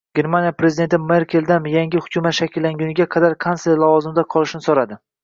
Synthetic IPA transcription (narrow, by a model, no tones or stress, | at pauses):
ɡʲe̞ɾmanjapɾe̞zɪd̪ent̪ʰɪmeɾkʲʰe̞lˠd̪anjaŋɡʲɪhʊ̥kʰʲʊmat̪ʃakʲʰɪlːaŋɡʲʊnɪɡʲaqʰɑd̪aɾkʰansleɾlˠavɒzɪmd̪aqʰɒlˠɪʃnɪsoɾad̪ɪ